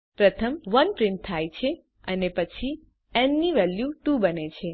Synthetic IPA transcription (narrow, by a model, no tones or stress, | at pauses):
pɾət̪ʰəmʋənpɾɪ̃ɳʈ̚t̪ʰːajt͡ʃʰe | ənepət͡ʃʰi | ɛnːiʋɛljuʈubənet͡ʃʰe